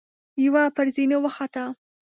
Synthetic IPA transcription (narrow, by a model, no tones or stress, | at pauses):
jawapəɾzinewaxat̪a